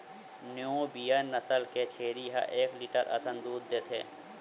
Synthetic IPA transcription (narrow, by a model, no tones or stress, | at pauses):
njõbiːjənɐsəlket͡ʃʰeːɾiɦa̰ʔeːkliːʈəɾɐ̰sənd̪uːd̪ːeːt̪ʰeː